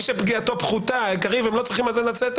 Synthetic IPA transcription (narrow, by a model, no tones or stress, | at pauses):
ʃepɡiato̞pχutaikaʁivemlot͡sʁiχimalzenat͡set̪